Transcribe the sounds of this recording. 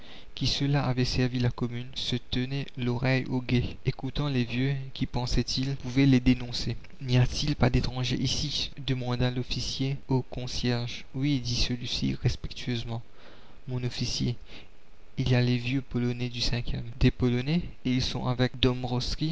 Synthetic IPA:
kʲisəlaavɛsɛʁvilakɔmynsət̪ənɛlɔʁɛjoɡeekut̪ɑ̃levjøkʲipɑ̃sɛt̪ʰilpuvɛled̪enɔ̃se | nijat̪ilpad̪et̪χɑ̃ʒḛʔisid̪əmɑ̃d̪ãlɔfisjeokɔ̃sjɛʁʒ | wid̪isəlɥisḭʁɛspɛk̚t̪ʰyɥøzmɑ̃ | mɔ̃nɔfisjḛ | ilialevjøpɔlɔnɛd̪ysɛ̃kʲjɛmd̪epɔlɔnɛilsɔ̰̃ʔavɛk̚d̪ɔmʁɔskʲi

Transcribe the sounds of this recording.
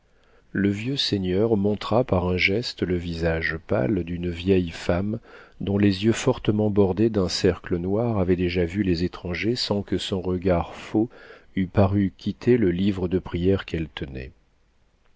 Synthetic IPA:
ləvjøseɲœʁmɔ̃t̪χapaʁɛ̃ʒɛst̪ləvizaʒpa̰ld̪ynvjɛjfamd̪ɔ̃lezjøfɔʁt̪əmɑ̃bɔʁd̪ed̪ɛ̃sɛʁklənwaʁavɛd̪eʒavylezet̪χɑ̃ʒesɑ̃kəsɔ̃ʁəɡaʁfoypaʁykʲit̪ʰeləlivʁəd̪əpχijɛʁkɛlt̪ənɛ̰

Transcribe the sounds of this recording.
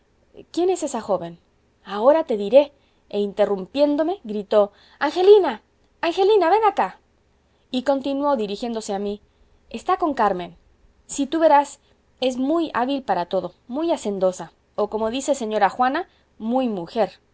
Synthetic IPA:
kje̞ne̞se̞saxo̞βe̞n | ao̞ɾat̪e̞ðiɾe̞ | eint̪e̞rumpje̞nd̪o̞me̞ɣɾit̪o̞ | aŋxe̞linaː | ŋxe̞linaβe̞ŋɡaka | iko̞nt̪inwo̞ðiɾixje̞nd̪ose̞ami | est̪ako̞ŋkaɾmẽ̞n | sit̪uβe̞ɾas | e̞zmuja̰βilpaɾat̪o̞ðo̞mujase̞nd̪o̞sa | oko̞mo̞ðisese̞ɲo̞ɾaxwana | mujmuxe̞ɾ

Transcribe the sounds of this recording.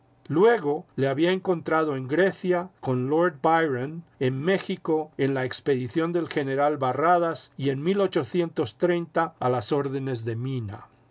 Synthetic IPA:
lwe̞ɣo̞leaβiaeŋko̞nt̪ɾað̞o̞e̞ŋɡɾe̞θjako̞nlo̞ɾd̪bajɾane̞nme̞xiko̞e̞nlaekspe̞ðiθjo̞nd̪e̞lxe̞ne̞ɾalβaraðasie̞nmilo̞t͡ʃo̞θje̞nt̪o̞st̪ɾe̞jnt̪aːlaso̞ɾðe̞ne̞zðe̞mĩna̰

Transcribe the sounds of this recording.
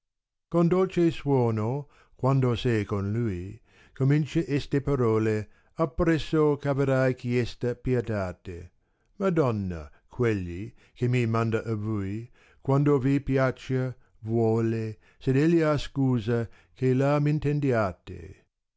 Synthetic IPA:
kond̪olt͡ʃeswɔːno | kwand̪osɛjkonluːj | komint͡ʃeʔɛst̪epaɾɔːle | apːɾɛsːokaveɾajkjɛst̪ɐpjet̪aːt̪ḛ | mad̪ɔnːa̰ | kʰwelːi | kemimand̪aʔavuj | kwand̪ovipjat͡ʃa | vwɔːle | sed̪ɛlːiaskuːza | kʰelamint̪end̪jaːt̪ḛ

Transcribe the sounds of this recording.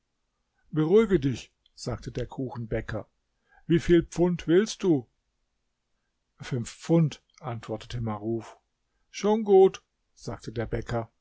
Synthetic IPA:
bəʁuɪɡədɪç | z̥aːktʰədeːɐkʰuːxn̩bɛkʰɐ | viːfiːlp͡fʊntv̥ɪlst̚d̥uː | fʏnfp͡fʊnt | ʔantv̥ɔɐtə̥tʰəmaʁuːf | ʃoːnɡuːt | z̥aːk̚tʰədeːɐbɛkʰɐ

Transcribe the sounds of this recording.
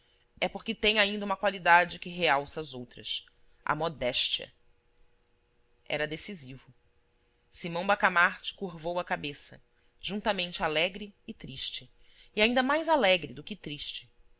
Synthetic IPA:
ɛpoɾkɪt̪ẽj̃aĩnd̪ɐũmɐkwalid̪ad͡ʒɪkɪɦeawsɐːzowt̪ɾɐs | ʔɐ̰mɔd̪ɛʃt͡ʃiɐ̰ | ɛ̰ɾɐd̪esizivʊ | simɐ̃w̃bakamaɾt͡ʃɪ̥kuɾvowɐkabesɐ | ʒ̥ũnt̪ɐmẽnt͡ʃɪalɛɡɾɪːt̪ɾiʃt͡ʃɪː | aĩnd̪ɐmajzalɛɡɾɪd̪ʊkɪt̪ɾiʃt͡ʃɪ

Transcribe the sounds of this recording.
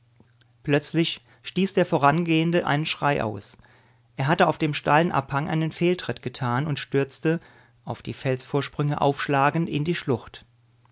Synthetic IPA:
plœt͡slɪç | ʃtiːsd̥eːɐfoːʁ̞anɡeːəndəʔa̰ɪnənʃʁ̥aɪʔa̰ʊs | ʔeːɐɦatəaʊfd̥eːmʃtaɪlənʔa̰phaŋʔa̰ɪnənfeːltʁ̥ɪtɡ̥ətʰaːnʊntʃtʏɐt͡stə | ʔaʊfd̥iːfɛlsfoːɐʃpʁ̥ʏŋəʔa̰ʊfʃlaːɡn̩tɪndiːʃlʊχt

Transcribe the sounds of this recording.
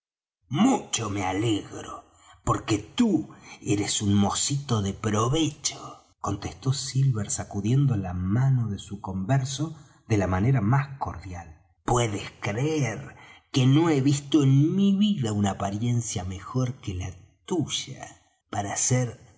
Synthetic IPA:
mut͡ʃo̞me̞aleɣɾo | po̞ɾket̪ueɾesunmo̞sit̪o̞ðepɾo̞βet͡ʃo | ko̞nt̪est̪o̞silβeɾsakuðje̞nd̪olamano̞ðesuko̞mbeɾso̞ | ðe̞lamaneɾamasko̞̰ɾðjal | pweðeskɾeeɾkeno̞e̞βist̪oenmiβiðaunaːpaɾje̞nsjame̞xoɾkela | t̪uʒa̰ | paɾaseɾ

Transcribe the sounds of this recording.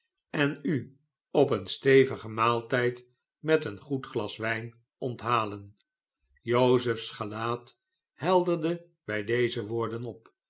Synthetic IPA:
ɛny | ɔpənstejvəχəmaːlˠtɛjt | mɛtənχutχlɑsʋɛjn | ɔntɦaːlən | jowzəfsχəlaːt | hɛlˠdəɹdə | bɛjdejzəʋʊːɹdənɔp

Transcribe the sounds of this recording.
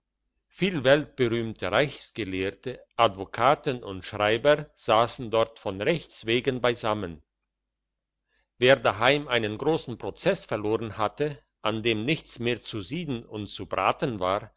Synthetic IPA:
fiːlvɛlt̚b̥əʁyːmtʰəʁaɪçsɡ̥əleːɐtəʔadvokʰaːtənʊntʃʁ̥aɪbɐz̥aːsn̩dɔɐtfɔnʁɛçt͡sv̥eːɡənbaɪzamən | veːɐdaɦaɪmʔaɪnənɡʁoːsn̩pʁ̥ot͡sɛsfɛɐʁloːʁənhatə | ʔandeːmnɪçt͡smeːɐt͡suziːdn̩ʊntt͡subʁa̰ːtənvaːʁ

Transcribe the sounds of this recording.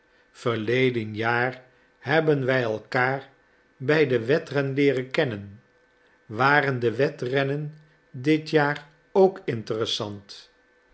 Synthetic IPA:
v̥əɹlejdənjaːr | hɛbənʋɛjɛlˠkaːɹ | bɛjdəʋɛtrɛnlɪːrəkɛnən | ʋaːɾəndəʋɛtrɛnən | dɪtjaːr | owkɪntərəsɑnt

